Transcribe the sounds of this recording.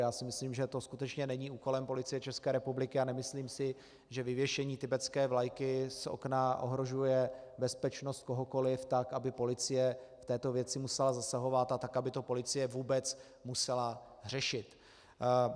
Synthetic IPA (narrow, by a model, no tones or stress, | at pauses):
jaːsɪmɪsliːmʒɛt̪o̞skut̪ɛt͡ʃɲɛnɛɲiːuːko̞lɛmpo̞lɪt͡sɪjɛt͡ʃɛskɛːɾɛpublɪkɪanɛmɪsliːmsɪ | ʒɛvɪvjɛʃɛɲiːt̪ɪbɛt͡skɛːvlajkɪso̰knaʔo̞̰ɦɾo̞ʒujɛbɛspɛt͡ʃno̞st̪̚ko̞ɦoko̞lɪft̪akabɪpo̞lɪt͡sɪjɛft̪ɛːt̪o̞vjɛt͡sɪmusɛlazasaɦo̞vat̪at̪ːakabɪt̪o̞po̞lɪt͡sɪjɛvuːbɛt͡s | musɛla | r̝̥ɛʃɪt̪